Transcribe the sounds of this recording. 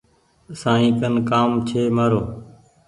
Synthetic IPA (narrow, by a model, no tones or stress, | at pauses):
sãːĩːkənkaːmt͡ʃʰeːməɾoː